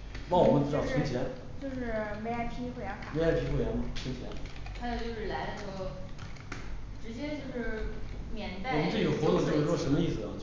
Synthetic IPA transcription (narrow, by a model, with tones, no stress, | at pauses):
wɑ˥˩wɔ˨˩mə˦nʈ͡ʂ̩˧˥tɑ˥˩t͡ɕʰi˧˥ŋt͡ɕʰjɛ˧˥n | t͡ɕjo˥˧ʊʂɻ̩˥˩me˥a˥˩ɪpʰi˥xwe˥˩ɪjɑ˧˥ŋba˨me˧˥a˥˩ɪpʰi˧˥xwjɑ˧˥ŋba˨˩t͡ɕʰi˧˥ŋt͡ɕʰjɛ̰˧˥nt̪ʰa˥jo˨˩t͡ɕjo˥˧ʂɻ̩˥˩la˧˥˧xə˧˥ | ʈ͡ʂɻ̩˧˥t͡ɕjɛ˥t͡ɕjo˥˧ʊʂɻ̩˥˩mjɛ˨˩nt̪a˥˧wmə˦ʈ͡ʂe˥˩ə˥˩xwɔ˧˥t̪ʊ˥˧ʈ͡ʂwɔ˥˩ʂə˧˥nmə˧i˥˩sɹ̩˩ɐ˦